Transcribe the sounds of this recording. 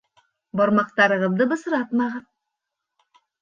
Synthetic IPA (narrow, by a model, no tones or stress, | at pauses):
bɒɾmɑq̚t̪ɑɾɤ̆ʁɤ̆ðd̪ɤbɤ̆sɤ̆ɾɑt̪mɑʁɤn